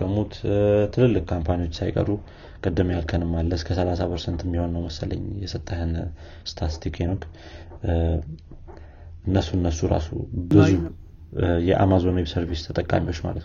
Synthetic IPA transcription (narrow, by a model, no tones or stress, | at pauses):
kəmut̪t̪ʰɨlɨlːɨkkʰampʰaniwo̞t͡ʃːsajkʼə̰ɾu | kʼəd̪ːɨmjalkʰənɨmːalːəskʰəsəlasapʰəɾsənt̪ɨmːiho̞nːəwməsələ̰ɲːjɛsət̪ʼːəhɨn | st̪ʰat̪ʰikʰenok | ɨnːəsuɨnːəsːuɾa̰sṵbɨzu | jɛʔa̰mazo̞noβisəɾβist̪ʰət̪ʼəkʼa̰miwot͡ʃːma̰lə̰t̪n